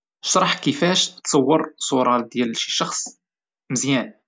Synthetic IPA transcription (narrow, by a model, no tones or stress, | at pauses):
ʃɾˤɑħkəfæʃt̪sˤɑwːəɾˤsˤuɾˤɑd̪jælʃi̥ʃɑxsˤ | məzjæn